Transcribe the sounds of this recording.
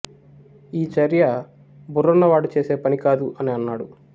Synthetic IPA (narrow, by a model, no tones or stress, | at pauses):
iːt͡ʃɐɾjɐ | burːɐnːɐʋaːɽut͡ʃe̞ːse̞ːpɐnikaːd̪uʔɐniɐnːaːɽu